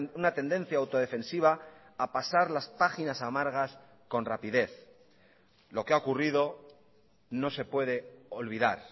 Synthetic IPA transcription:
unat̪e̞nd̪e̞n̟θjaːwt̪o̞ð̞e̞fẽ̞nsiβ̞aː | pasaɾlaspaxinasamaɾɣas | ko̞nrapiðe̞θ | lo̞keaokuriðo̞ | no̞se̞pwe̞ðe̞o̞lβ̞iðaɾ

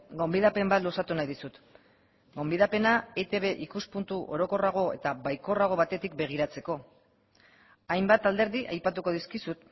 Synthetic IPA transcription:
ɡo̞mbiðape̞mbat̪losat̪unajðisut̪ | ɡo̞mbiðape̞naet̪e̞βe̞ʔikuspunt̪uʔo̞ɾo̞ko̞raɣ̞o̞e̞̰t̪aβajko̞raɣ̞o̞βat̪e̞t̪ik̚be̞ɣ̞iɾat͡se̞ko̞ | ajmbat̪ald̪e̞ɾðiʔajpat̪uko̞ð̞iskisut̪

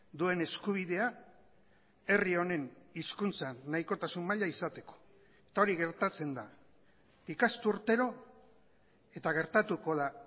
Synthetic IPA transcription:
d̪ue̞ne̞skuβ̞iðe̞a | e̞rio̞ne̞niskunt͡sanːaiko̞t̪asummaʎaisat̪e̞ko̥ | e̞t̪ao̞ɾiɣe̞ɾt̪at͡se̞nd̪a | ikast̪uuɾt̪e̞ɾo̞ | e̞t̪aɣ̞e̞ɾt̪at̪uko̞ða

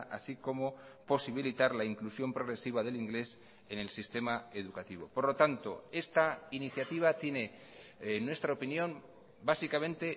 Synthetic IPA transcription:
ʔa̰siko̞mopo̞siβ̞ilit̪aɾlaiŋklusjo̞mpɾo̞ɣ̞ɾe̞siβ̞aðe̞liŋɡle̞s | e̞ne̞lsist̪e̞mae̞ð̞ukat̪iβo̞̰po̞ɾlo̞t̪ant̪o̞̰e̞st̪ainiθjat̪iβ̞at̪je̞ne̞ | nːwe̞st̪ɾaopinjom | basikamẽ̞nt̪e̞

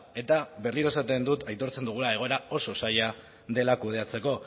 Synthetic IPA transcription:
e̞t̪aβe̞rliɾoesat̪e̞nd̪ut̪ajt̪o̞ɾt͡se̞nd̪uɣulae̞ɣ̞o̞eɾao̞so̞saja | ðe̞lakuð̞e̞at͡se̞ko̞

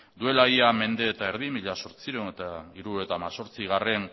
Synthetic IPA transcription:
d̪ue̞laiame̞nd̪e̞ːt̪ae̞ɾðimiʎaso̞ɾt͡siɾewnet̪aiɾue̞t̪aːmaso̞ɾt͡siɣare̞n

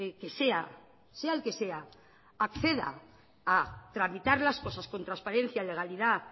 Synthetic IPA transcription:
ekese̞a | se̞aelke̞se̞a | akθe̞ða̰ | at̪ɾamit̪aɾlasko̞sasko̞nt̪ɾanspaɾẽ̞n̟θjale̞ɣaliða

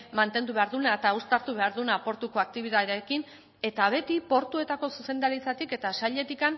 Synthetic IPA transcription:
mant̪e̞nd̪uβe̞aɾðunaet̪aust̪aɾt̪uβ̞e̞aɾðunapo̞ɾt̪uko̞ak̚t̪iβ̞iðaekin | e̞t̪aβ̞e̞t̪ipo̞ɾt̪ue̞t̪ako̞suse̞nd̪aɾit͡sat̪ike̞t̪asaʎe̞t̪ikan

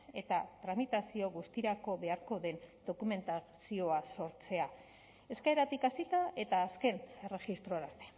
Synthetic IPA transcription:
e̞t̪at̪ɾamit̪asio̞ɣust̪iɾako̞βe̞aɾko̞ðe̞nd̪o̞kume̞nt̪a | sio̞aso̞ɾt͡se̞a | e̞skaeɾat̪ikasit̪ae̞t̪aːske̞ne̞re̞ʝist̪ɾo̞ɾaɾt̪e

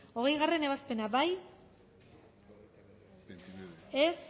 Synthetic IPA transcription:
o̞ɣ̞e̞jɣare̞ne̞β̞aspe̞nabaj | es

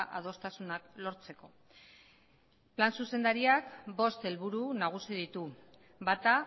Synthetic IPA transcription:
ʔað̞o̞st̪asunaklo̞ɾt͡se̞ko̞ | plansuse̞nd̪aɾiakbo̞st̪e̞lβuɾunaɣ̞usið̞it̪u | bat̪a

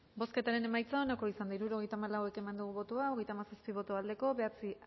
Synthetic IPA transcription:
bo̞ske̞t̪aɾe̞ne̞majt͡saonako̞isand̪aiɾuɾo̞ɣe̞jt̪amalawe̞ke̞mand̪uɣuβo̞t̪oao̞ɣe̞jt̪amasaspiβ̞o̞t̪oald̪e̞ko̞βe̞at͡si

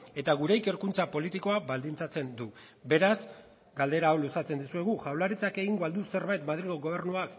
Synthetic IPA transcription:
e̞t̪aɣ̞uɾe̞ike̞ɾkunt͡sapo̞lit̪iko̞abald̪int͡sat͡se̞nd̪u | be̞ɾasz | ɡald̪e̞ɾaːwlusat͡se̞nd̪usue̞ɣ̞uʝawlaɾit͡sake̞ɣiŋɡoald̪use̞ɾβajt̪mað̞ɾiɣoɣo̞β̞e̞rnuak

